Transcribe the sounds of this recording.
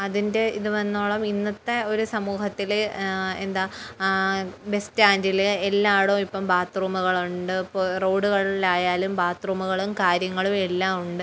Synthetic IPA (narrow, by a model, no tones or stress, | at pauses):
ɐðinde̞iðuʋɐnːoːɭɐminːɐt̪ːe̞o̞ɾusɐmuːhɐt̪ːilend̪aː | be̞staːndilelːaːɽoːipːɐmbaːt̪ruːmuɣɐɭuɳɖɨporoːɖuɣɐɭlaːjaːlumbaːt̪ruːmuɣɐɭumkaːɾjɐŋːɐɭume̞lːaːmuɳɖɨ